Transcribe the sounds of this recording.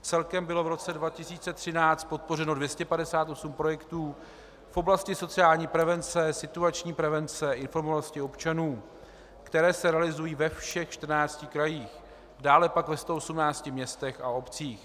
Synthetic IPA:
t͡sɛlkɛmbɪlo̞vɾo̞t͡sɛdvacɪsiːt͡sɛt̪r̝̥ɪnaːt͡st̪̚po̞t̪̚po̞rɛno̞dvjɛscɛpadɛsaːt̪ʔo̞sumpɾo̞jɛkt̪uː | fʔo̞blascɪso̞t͡sɪaːlɲiːpɾɛvɛnt͡sɛsɪt̪uat͡ʃɲiːpɾɛvɛnt͡sɛʔɪnfo̞ɾmovaloscɪo̞pt͡ʃanuː | kt̪ɛɾɛːsɛɾɛalɪzujiːvɛfʃɛxt͡ʃt̪r̩naːt͡scɪkɾajiːx | daːlɛpakvɛst̪oosumnaːt͡scɪmɲɛst̪ɛxao̞pt͡siːx

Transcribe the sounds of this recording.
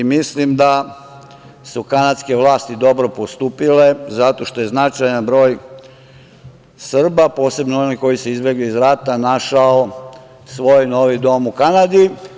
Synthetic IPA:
imislimd̪a | sukanad̪ske̞ʋlaːst̪id̪o̞bɾo̞post̪uːpile̞zat̪o̞ʃt̪o̞je̞znat͡ʃajanbɾo̞ːj | sr̩bapo̞ːse̞bnooniko̞jiseizbeɡliːzɾat̪anaʃao | sʋo̞ːjno̞ʋid̪o̞mukanad̪i

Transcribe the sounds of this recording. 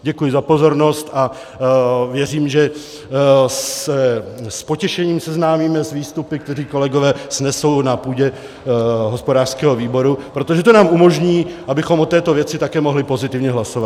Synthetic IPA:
ɟɛkujɪzapo̞zo̞ɾno̞st̪a | vjɛriːmʒɛ | ɛspocɛʃɛɲiːmsɛznaːmiːmɛzviːst̪upɪk̚t̪ɛɾiːko̞lɛɡovɛːsnɛsownapuːɟɛ | ɦospo̞daːr̥skɛːɦo̞viːbo̞ɾupɾo̞t̪o̞ʒɛt̪onaːmumo̞ʒɲiːʔabɪxo̞mʔot̪ɛːt̪o̞vjɛt͡sɪt̪akɛːmo̞ɦlɪpo̞zɪt̪ɪvɲɛɦlaso̞vat̪

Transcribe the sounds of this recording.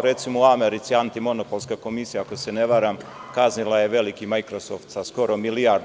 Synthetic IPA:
ɾe̞t̪simouameɾit̪siant̪imo̞nopo̞lˠskako̞misijaako̞se̞neʋaɾamkaznilaje̞ʋe̞likimajkɾosoft̪sasko̞ɾo̞miliaɾd̪

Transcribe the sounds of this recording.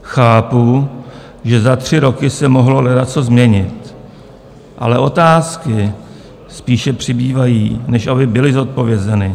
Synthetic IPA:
xaːpu | ʒɛzat̪r̝̥ɪɾo̞kɪsɛmo̞ɦlo̞lɛdat̪t͡sozmɲɛɲɪt̪ | ʔa̰lɛʔo̞t̪aːskɪ | spiːʃɛpr̝̥ɪbiːvajiːnɛʃʔabɪbɪlɪzo̞t̪̚po̞vjɛzɛnɪ

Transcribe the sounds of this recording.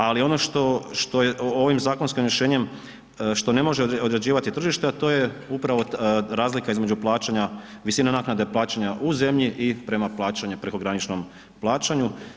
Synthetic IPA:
alio̞no̞ʃt̪o̞ʃt̪o̞jeʔooʋimzaːko̞nskimɾjeʃe̞ːɲe̞m | ʃt̪o̞ne̞mo̞ʒeod̪ɾe̞d͡ʑiːʋat̪it̪r̩ʒiʃt̪eat̪o̞ːje̞upɾaʋo̞ɾaːzlikaizme̞d͡ʑuplˠaːt͡ɕaɲa | ʋisinanaːknad̪eplˠaːt͡ɕaɲaʔuze̞mʎiʔipɾe̞maplˠaːt͡ɕaɲupɾe̞ko̞ɡɾanit͡ʃno̞m | plˠaːt͡ʃaɲu

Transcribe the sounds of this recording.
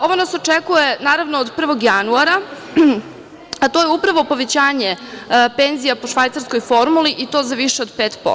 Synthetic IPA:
o̞ʋo̞nasot͡ʃekujenaːɾaʋnoːd̪pr̩ʋo̞ɡjanuaɾa | at̪o̞ːjeupɾaʋo̞po̞ʋet͡ɕaːɲepe̞nzijapoʃʋajt̪saɾsko̞jfoɾmuliʔit̪o̞ːzaʋiʃeod̪peːt̪po̰

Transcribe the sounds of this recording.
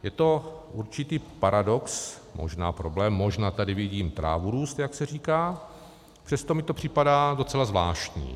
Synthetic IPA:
jɛt̪o̞ʔuɾt͡ʃɪt̪iːpaɾado̞ks | mo̰ʒna̰ːpɾo̞blɛːmːo̞ʒnaːt̪adɪvɪɟiːmt̪ɾa̰ːvuɾuːst̪jaksɛr̝iːkaː | pr̝̥ɛst̪o̞mɪt̪o̞pr̝̥ɪpadaːdo̞t͡sɛlazvla̰ːʃt̪ɲḭː

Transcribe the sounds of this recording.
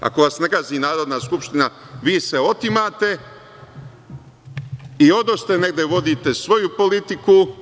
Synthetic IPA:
a̰ko̞ʋasnekaːziːnaːɾo̞d̪naskupʃt̪ina | ʋiːseo̞t̪imaːt̪e̞ | io̞d̪ost̪e̞ne̞ɡd̪eʋo̞d̪it̪e̞sʋo̞jupo̞lit̪iku

